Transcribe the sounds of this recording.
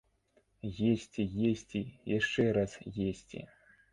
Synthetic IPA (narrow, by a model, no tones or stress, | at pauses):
jesʲt͡sʲijesʲt͡sʲijaʂt͡ʂɛɾasjesʲt͡sʲḭ